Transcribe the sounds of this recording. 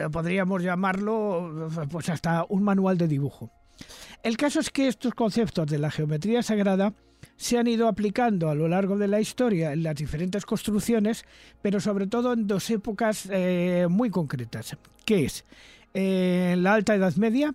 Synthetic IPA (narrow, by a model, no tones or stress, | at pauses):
po̞ðɾiamo̞zʝamaɾlo̞pwe̞sast̪auŋmanuald̪e̞ðiβ̞uxo | e̞lkaso̞e̞ske̞est̪o̞sko̞n̟θe̞pt̪o̞zðe̞laxe̞ome̞t̪ɾiasaɣ̞ɾað̞a | seanið̞oaplikand̪oalo̞laɾɣ̞o̞ðe̞laist̪o̞ɾjaenlazðifeɾe̞nt̪e̞sko̞st̪ɾuθjo̞ne̞spe̞ɾo̞so̞β̞ɾe̞t̪o̞ð̞o̞end̪o̞se̞pokasmwujko̞ŋkɾe̞t̪as | keeselaalt̪aeðaðme̞ðja